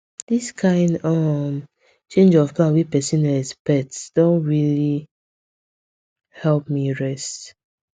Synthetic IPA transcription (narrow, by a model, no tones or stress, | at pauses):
d̥iskʰãɪ̃ndɔm | t͡ʃẽnd͡ʒɔvplãnwipɛsĩnɛspɛtsd̥õntɹili | hɛlp̚miɹɛst